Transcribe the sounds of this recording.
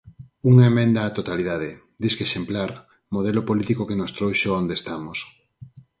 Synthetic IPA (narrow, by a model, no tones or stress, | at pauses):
uŋaemẽnd̪aːt̪ot̪aliðað̞e | d̪iskeʃemplaɾ | moð̞elopolit̪ikokenost̪ɾowʃoond̪est̪amos